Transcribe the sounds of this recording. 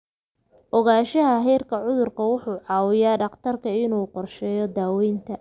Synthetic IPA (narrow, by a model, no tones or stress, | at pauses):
ʔɔɣaːʃɐɦɐɦɛːrkʰɐʕʊðʊrkʰɐwʊħuːʕɑːwɪjaːɖɑqt̪ʰɐrkʰɐɪnuːqɔrʃɛːjɔd̪aːwɛjnt̪ʰɐ